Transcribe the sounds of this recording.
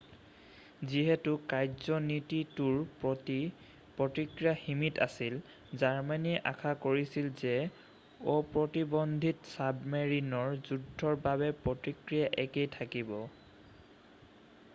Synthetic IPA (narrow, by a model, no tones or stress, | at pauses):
ziɦɛtukajzɔnitituɹ | pɹɔtikɹijaximita̰sil | zaɹmaniʔakʰakoɹisilzɛ | ɔpɹɔtibɔndʱitsabmeɹinɔɹzudʱːɔɹbabɛpɹɔtikɹijaʔɛkejtʰakibɔ